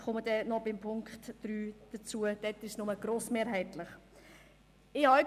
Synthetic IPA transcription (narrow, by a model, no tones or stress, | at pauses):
χɔməd̥ɛnɔbɪmpʰʊŋkχtd̥ɾyːd̥ət͡suəd̥ɛtɪʃnʊməɡ̥ɾoːsmeːɾɦɛɪtlɪχ | ɪhɑ